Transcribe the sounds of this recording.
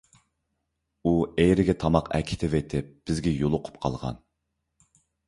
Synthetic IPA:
uejɾɪɡʲɛt̪ʰɑmɑqʰɛ̰kʲʰɪ̥t̪ʰɪvet̪ʰɪp̚b̥ɪzɡʲɛjolˠʊqʰʊ̥pqʰɑ̰lˠʁɑ̰n

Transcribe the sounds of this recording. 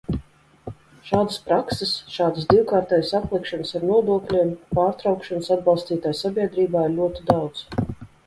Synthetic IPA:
ʃaːd̪əspɾaksesʃaːd̪əsd̪iwkaːɾt̪ɛːjasaplˠikʃɔnəsaɾnuɔd̪uɔklʲiːmpaːɾt̪ɾawkʃanəsad̪̚balˠst̪iːt̪aːjsabʲiɛd̪ɾiːbaːiɾlʲuɔt̪id̪awdt̪z

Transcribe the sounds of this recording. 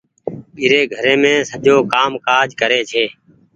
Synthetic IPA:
ɓiːɾeːɡʱəɾẽːmẽːsəʄoːkaːmkaːd͡ʒʱkəɾeːt͡ʃʰeː

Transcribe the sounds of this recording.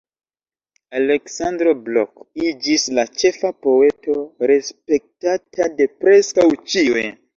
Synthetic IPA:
ale̞ksandɾo̞blo̰kid͡ʒislat͡ʃe̞fapo̞e̞to̞ɾe̞spe̞k̚tatʰade̞pɾe̞skawt͡ʃiwe

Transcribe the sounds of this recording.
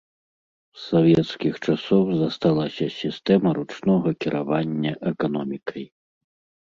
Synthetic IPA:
savʲɛt̪skʲixt͡ʂasɔwzɐst̪alˠasʲɐsʲist̪ɛmɐɾut͡ʂnɔɣɐkʲiɾʔavanʲːɐʔɛkanɔmʲikʰɐj

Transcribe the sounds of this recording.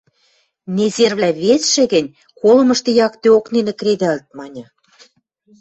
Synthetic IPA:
nezerβlʲæβesʃɘ̆ɣɘ̆nʲ | kolɤ̆mɤ̆ʃt̪ĕjɑkt̪øoknenĕkɾed̪ælt̪̚mɑnʲɤ̆

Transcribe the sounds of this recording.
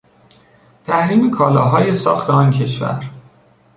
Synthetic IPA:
t̪ʰæhɾiːmekʰɒːlɒːɦɒːjesɒ̰ːxt̪ʰeɒːncʰe̞ʃvæ̰ɾ

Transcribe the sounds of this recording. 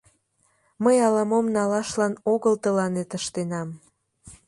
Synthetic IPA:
məjɑlɑmomnɑlɑʃlɑnoɣəlt̪əlɑnet̪əʃt̪enɑm

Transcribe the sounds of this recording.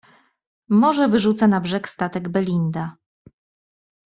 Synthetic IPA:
mɔʐɛvɘʐut̪sanabʐɛkst̪at̪ɛɡbɛlʲind̪a

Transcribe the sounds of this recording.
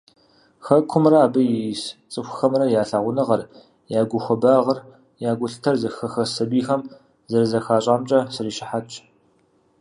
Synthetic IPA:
xɐkʷʰʊmrɐaːbɨjst͡sʼɨxʷxɐmrɐjaːɬaːʁʷʊnɨʁɐr | jaːɡʷʊxʷɐbaːʁɐr | jaːɡʷʊɬɨ̥tʰɐrzɐxɐxɐsɐbiːxɐm | zɐrzɐxaːɕʼaːmt͡ʃʼɐsɨriːʃɪħat͡ʃʼ

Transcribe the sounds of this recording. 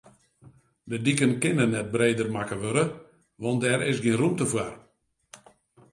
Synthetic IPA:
dədikənkɪnənɛt̚breːdərmakəʋøɾə | ʋɔnt̚dɛɾɪsɡiənrumtəfwar

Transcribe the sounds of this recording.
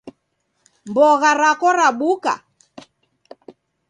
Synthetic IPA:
mbɔɣaɾakɔɾaɓuka̰

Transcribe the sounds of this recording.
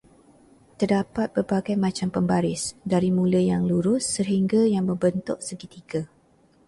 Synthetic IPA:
t̪ərdapat̪̚b̥ərbaɡajmãt͡ʃampəmbaɾɪsdaɾimũləjaŋluɾʊsːəɦiŋɡajaŋməmbənt̪ʊʔ̚səɡit̪iɡa

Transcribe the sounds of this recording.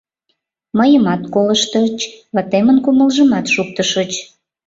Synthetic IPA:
məjəmɑt̪koləʃt̪ət͡ɕβɑt̪emənkuməlʒə̆mɑt̪ʃuk̚t̪əʃət͡ɕ

